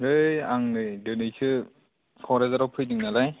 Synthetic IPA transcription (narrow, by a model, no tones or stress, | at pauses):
ɯjaŋnɯdɯnɯjsʰɯ | kʰɔɾezaɾawpʰɯjdɯŋnalaj